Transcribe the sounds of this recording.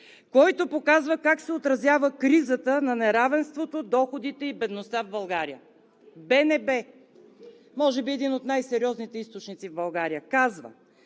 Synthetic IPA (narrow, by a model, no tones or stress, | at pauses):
kɔjt̪opokazvəkaksɛot̪ɾɐzjavəkɾizət̪ənɐnɛɾavɛnst̪vot̪od̪ɔxod̪it̪ɛibɛd̪nost̪avbɐlˠɡaɾijə | bɛnɛbɛ | mɔʒɛbiɛd̪inot̪najsɛɾʲiɔznit̪ɛist̪ot͡ʃnit̪sivbɐlˠɡaɾijəkazvə̰